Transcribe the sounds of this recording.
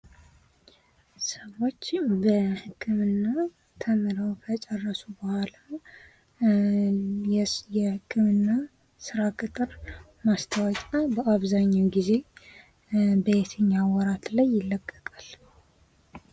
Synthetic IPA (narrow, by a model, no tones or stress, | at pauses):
səwo̞t͡ʃːbəhɨkʰːɨmɨnːa | t̪ʰəmɨɾəwfʰət͡ʃʼɛrːəsubəhʷala | jɛhɨkʰːɨmɨnːa | sɨɾakʼɨt̪ʼɨɾ | mast̪ʰəwɔt͡ʃʼabəʔaβzaɲːawɡize̞ | bəjet̪ʰəɲːawɔɾat̪lajːɪlːəkʼːəkʼal